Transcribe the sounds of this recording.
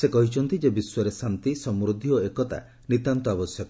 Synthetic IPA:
sekɔɦit͡ʃʰɔnt̪id͡ʒebiswɔɾesant̪isɔmɾud̪ʱioekɔt̪a̰ | nit̪ant̪ɔabɔsjɔk

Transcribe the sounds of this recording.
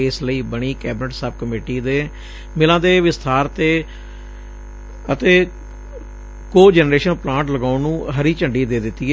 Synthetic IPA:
ɪsləiːbəɳ̃iːkɛːbɪnəʈsəb̚kəmeːʈiːd̪eː | mɪlãːd̪eːʋɪst̪ʰaːɾt̪eː | ət̪eː | koːd͡ʒɛːnɾeːʃənplãːɳʈləɡaːʊnũːɦəɾiːt͡ʃəɳɖiːd̪eːd̪ɪt̪ːi

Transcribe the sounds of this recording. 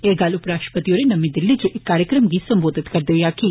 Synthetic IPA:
eːɡaːlʊpɾaːʃɾə̥pət̪ijoːɾenɐmĩd̪ɪlːid͡ʒuʔekːaːɾjəkɾəmɡisɐ̃mboːd̪ʱɪt̪kɐɾd̪ɪʋjaki

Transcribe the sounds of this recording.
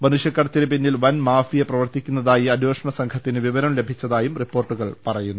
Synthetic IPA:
mɐnuʂjɐkːɐːɽɐt̪ːiɾɨpinːilʋɐnmaːfijɐprɐʋɐrt̪ikʲːunːɐðaːjiɐnjoːʂɐɳɐsɐŋkʰɐt̪ːinɨʋiʋɐɾɐmlebʱit͡ɕːɐðaːjumripːo̞ːrʈːuɣɐɭpɐrɐjunːu

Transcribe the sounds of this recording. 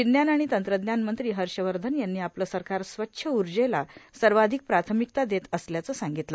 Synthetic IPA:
t͡ɕinjanaɽ̃it̪ənt̪ɾəd̪njanmənt̪ɾiːɦəɾɕəʋəɾd̪ʱənjanːiːapləːsəɾkaɾsʋətːɕʰəuɾd͡ʑelasəɾʋad̪ʱik̚pɾat̪ʰəmik̚t̪ad̪et̪əsljat͡səːsaŋɡit̪lə

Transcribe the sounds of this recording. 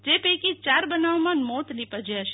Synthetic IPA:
d͡ʒepejkit͡ʃaɾbənaʋmãnmot̪nipəd͡ʒeaʃe

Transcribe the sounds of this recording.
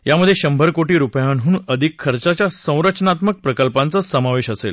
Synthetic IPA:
jaməd̪ʱjeɕəmbʱəɾkoʈiːɾupjanɦũəd̪ʱikʰːəɾt͡sat͡ɕjasə̃w̃ɾət͡ɕnat̪mək̚pɾəkəlpãnt͡səsəmaʋeɕəsḛl

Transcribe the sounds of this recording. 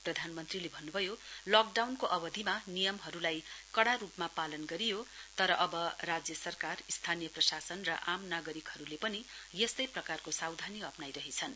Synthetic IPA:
prʌd̪ʱanmʌnt̪rilebʱʌnːubʱʌjolʌk̚ɖawnkoʔʌbʌd̪ʱimanijʌmɦʌɾulajkʌɽaɾupmapalʌnɡʌɾijot̪ʌɾʌʔʌbʌrad͡zjʌsʌrkarist̪ʰanijʌprʌsasʌnrʌ̰ʔamnaɡʌɾikhʌɾulepʌnijest̪ʌjprʌkarkosawd̪ʱaniʌpnajɾʌɦet͡sʰʌn

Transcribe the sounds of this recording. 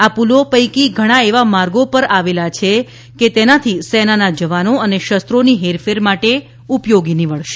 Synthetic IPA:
apulopəjkiɡʱəɽ̃aeʋamaɾɡopəɾaʋelat͡ʃʰe | ket̪enat̪ʰisɛnanad͡ʒəʋanoəneʃəst̪ɾoniɦeɾfeɾmaʈe | upjoɡiniʋəɭʃe̥

